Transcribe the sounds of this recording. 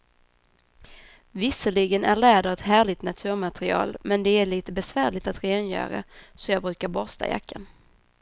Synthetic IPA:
vɪsəɭɪɡənæɭɛːd̪əɾvɛt̪ɦæːɭɪɡt̪nat̪ʰʉ̟ːɾmat̪ɾɪɑ̰ːlmɛnd̪ɛæɭiːt̪əbɛsvæːɾɭɪt̪at̪ɾeːnjœ̰ːɾa̰sɔjɑːɡbɾʉ̟ːkaɾbɔst̪ʰa̰ja̰kʰːan

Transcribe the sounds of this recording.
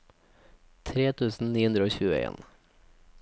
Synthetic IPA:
t̪ʰɾeːt̪ʰʉːsn̩niːhʉnd̪ɾəoːɕʉːə̰ʔḛːn

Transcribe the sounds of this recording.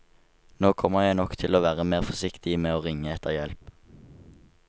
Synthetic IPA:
noːkʰɔməʁjæɪnɔkt̪ʰɪloːʋæːʁəmeːʁfɔʁsɪkt̪ɪmeːoːʁɪŋːəɛt̪ʰəʁjɛlp

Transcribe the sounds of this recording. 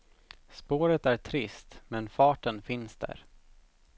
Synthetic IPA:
spoːɾət̪æʈʰɾɪst̪mɛnfɑːʈənfɪnsd̪æ̰ɾ

